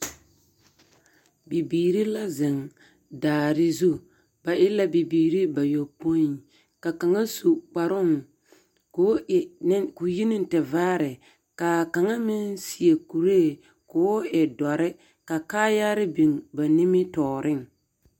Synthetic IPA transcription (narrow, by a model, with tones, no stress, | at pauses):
bi˨biː˨ɾi˦la˦zɪ˨ŋ | daː˨ɾɪ˦zu˦ | ba˨ʔɪ˦la˦bi˨biː˨ɾi˦ba˨jo˨po˦i˨˦ | ka˨ka˨ŋa˦su˨k͡pa˨ɾʊ˦ŋ | kkʊ˨ji˦nɪ˦n˦tɪ˨vaː˦ɾɪ˨ | ka˨ka˨ŋa˦mɪ˦nsi˨e˨ku˨ɾe˦˨ | kʊː˨˦ɪ˨dɔ˨ɾɪ˦ | ka˨kaː˦ja˦ɾɪ˦bi˨ŋba˨nɪ˦mɪ˦tɔː˨ɾʔɪ˦ŋ